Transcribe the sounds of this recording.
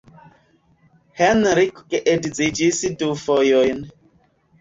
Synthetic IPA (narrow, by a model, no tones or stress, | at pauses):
hɛnɾikkeʔedzid͡ʒisidufojojn